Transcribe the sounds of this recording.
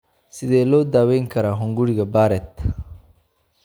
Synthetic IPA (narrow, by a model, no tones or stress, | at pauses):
sid̪elod̪aweŋkɐɾaɦuŋɡuɽiɡabaːɾet̪